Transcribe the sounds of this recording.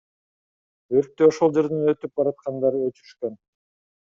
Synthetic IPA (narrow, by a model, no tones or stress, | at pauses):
øɾk̚t̪øoʃolˠd͡ʒe̞ɾd̪ynø̞t̪yp̚bɑɾɑt̪̚qɑnd̪ɑɾøt̪yɾyʃkøn